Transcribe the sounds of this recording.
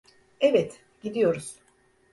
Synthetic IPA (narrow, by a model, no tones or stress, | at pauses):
evɛt̪ | ɟid̪ijo̞ɾuz̥